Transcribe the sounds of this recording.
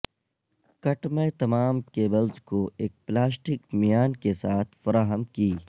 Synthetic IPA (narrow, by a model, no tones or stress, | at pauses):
kɐʈmẽt̪ɐmaːmkeːbɐlzkoʔeːk̚plaːs̬ʈɪkmijaːnkesaːt̪ʰfɐɾaːɦəmkiː